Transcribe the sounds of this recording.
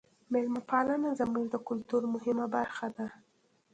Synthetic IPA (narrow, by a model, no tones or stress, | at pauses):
mɪlmapɑlanazamuɾd̪əkʊlt̪uɾmʊhɪmabaɾxad̪a